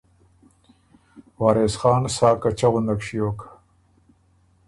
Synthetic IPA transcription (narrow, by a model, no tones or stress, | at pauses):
wɑːɾesxɑːnsɑːkat͡ʃaɣʊnd̪akʂijoːkʰḁ